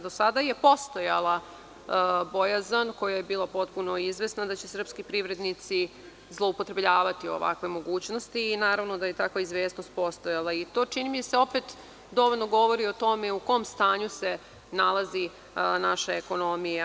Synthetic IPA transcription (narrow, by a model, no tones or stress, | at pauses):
d̪osad̪aje̞po̞st̪o̞jalˠa | bojazanko̞jajebiːlˠapo̞t̪puno̞izʋe̞snad̪at͡ɕesr̩pskipɾiʋɾe̞d̪nit̪si | zlˠo̞upot̪ɾe̞bʎaːʋat̪io̞̰ʋa̰kʋe̞mo̞ɡuːt͡ɕno̞st̪iːnaːɾaʋno̞d̪aje̞t̪akʋaizʋe̞ːsno̞st̪̚po̞st̪o̞jalˠait̪o̞ːt͡ʃinimiseo̞pet̪ | d̪o̞ʋoʎʲnoɡo̞ʋo̞ɾio̞t̪o̞meuko̞ːmst̪aːɲuse̞ | nalˠazi | naʃaeko̞no̞mija